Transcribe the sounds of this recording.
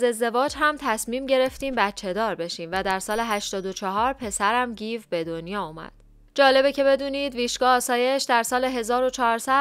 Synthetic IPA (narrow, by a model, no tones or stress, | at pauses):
ze̞zd̪e̞vɒːd͡ʒɦæmt̪ʰæsmiːmɟe̞ɾe̞ft̪iːmbæt̪̚t͡ʃʰe̞d̪ɒːɾbe̞ʃiːmvæd̪æɾsɒːleɦæʃt̪ɒːd̪o̞t͡ʃʰɒɦɒːɾpʰe̞sæɾæmɟiːvbe̞d̪onjɒːuːmæ̰d̪̥ | d͡ʒɒːle̞becʰe̞be̞d̪uːniːd̪viːʃɡɒːsɒːje̞ʃd̪æɾsɒːleɦe̞zɒːɾo̞t͡ʃʰɒɾsæ